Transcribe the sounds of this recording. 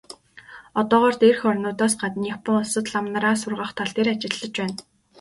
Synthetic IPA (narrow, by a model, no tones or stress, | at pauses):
ɔt̪ɔːʁœːrt̪erxɔrʲnʊːt̪aːsɢat̪nipə̆ŋʊsə̆t̪ɮamnaɾaːsʊrʁə̆χt̪ʰaɮt̪ʰeɾat͡ɕɪ̆ɮːə̆t͡ɕpæːn